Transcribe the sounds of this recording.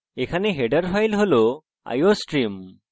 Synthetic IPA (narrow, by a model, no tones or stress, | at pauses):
ekʰaneɦeɖəɾpʰajlɦolo | a̰josʈɾim